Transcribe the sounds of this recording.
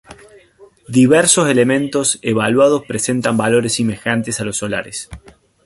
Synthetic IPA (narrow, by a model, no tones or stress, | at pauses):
d̪iβɛɾsose̞lemẽ̞nt̪o̞seβalwað̞o̞spɾese̞nt̪ambalo̞ɾesime̞xant̪e̞salo̞sola̰ɾes